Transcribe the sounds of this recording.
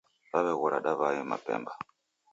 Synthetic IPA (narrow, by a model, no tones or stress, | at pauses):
βaβɛɣɔɾaɗaβajɔma̰pɛ̰mba